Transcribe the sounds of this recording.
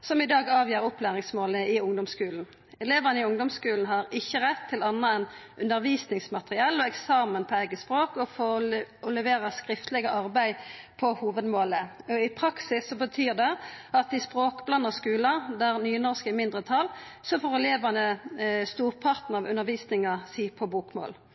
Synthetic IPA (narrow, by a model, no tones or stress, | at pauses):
sɔmɪd̪ɑːɡɑːʋjiːɾɔplæːʁɪŋsmoːləɪʊŋd̪ɔmskʉːln̩ | ɛleːʋɑnəɪʊŋd̪ɔmskʉːln̩ɦɑɾɪçːəʁɛt̪ʰːɪlɑnːɑɛnʔʉnəɾʋiːsnɪŋsmɑt̪ʁɪɑːlːɔɛksɑːmənpʰɔæɪɡəspʁoːkɔfoɔlɛʋeːʁɑskʁɪft̪lɛɡəʔɑʁbæɪpʰɔhuːʋəd̪moːləɔɪpʰʁɑksɪsːɔbət̪ʰyːʁd̪ɛɑt̪ɪspʁoːkblɑnːəʁskʉːlɑd̪æʁnyːnɔʁskəɪmɪnd̪ʁət̪ʰɑlsɔfɔːʁɛleːʋənəst̪uːʁpʰɑʁt̪n̩ɑʋʉ̰nːəʁʋiːsnɪŋɑsiːpʰɔbuːkmo̰ːl